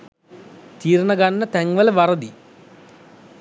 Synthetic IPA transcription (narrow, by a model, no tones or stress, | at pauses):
t̪iːɾɐɳɐɡɐnːɐt̪ɛŋʋɐlɐʋɐɾɐd̪i